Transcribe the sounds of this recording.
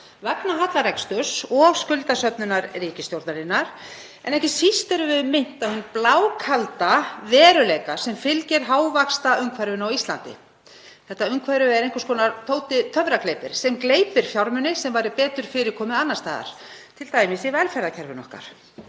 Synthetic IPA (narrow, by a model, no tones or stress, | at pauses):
vaknaɦat̪laɾɛkst̪ʏsɔskʏlt̪asœpnʏnaɾriːcɪst̪jowɾt̪naɾɪnːaɾ̥ | ɛ̰nɛhcɪsist̪ɛɾʏvɪðmɪn̥t̪awhʏnːplaːwkʰalt̪avɛːɾʏlejkasɛmfɪlcɛɾ̥ɦaːwvakst̪aʏŋkʰvaɾʏnawist̪lant̪ɪ̰ | θɛht̪ːaʏŋkʰvaɾʏɛɾejŋkaskʰɔnat̪ʰoːwt̪ɪt̪ʰœvɾaklejpɪɾ̥sɛmkleːjpɪɾ̥fjawɾmʏnɪsɛmvaːjɾɪpɛːt̪ʏɾ̥fɪːɾɪkʰɔːmɪanːast̪aːða̰ɾ̥t̪ʰɪlt̪aːjmɪsivɛlfɛɾðacʰɛɾvɪnɔ̰hka̰ɾ̥